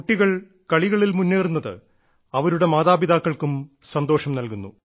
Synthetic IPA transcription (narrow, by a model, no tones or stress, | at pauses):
uʈːiɣɐɭ | kɐɭiɣɐɭilmunːeːrunːɐðɨ̰ | ɐʋɐɾuɽe̞maːðaːbiðaːkːɐɭkumsɐnd̪o̞ːʂɐmnɐlkunːṵ